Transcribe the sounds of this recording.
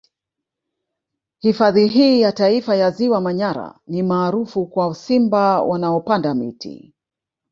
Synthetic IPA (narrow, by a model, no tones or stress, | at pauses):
hifaðiɦiːjataifajaziwamaɲaɾa̰nimaːɾufukwausimbawanaɔpandamḭtḭ